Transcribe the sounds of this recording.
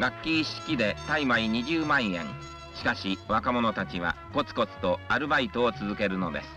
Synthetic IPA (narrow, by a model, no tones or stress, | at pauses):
ɡakʲːiːɕi̥kʲid̪e̞t̪aimaiɲ̟iʑɨːmãɰ̃ẽ̞̰ŋ | ɕi̥kaɕiβakamo̞no̞t̪at͡ɕiβa̰ko̞t͡sɨ̥ko̞t͡sɨ̥t̪o̞aɾɯ̟bait̪o̞ːt͡sɨzɨke̞ɾɯ̟no̞d̪e̞̰sɨ̥